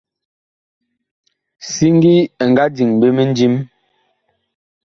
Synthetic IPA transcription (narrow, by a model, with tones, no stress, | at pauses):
si˦ŋ˦ɡi˦ɛ˨ŋɡa˦d͡ʒi˨ŋbe˦me˦n˦d͡ʒi˦m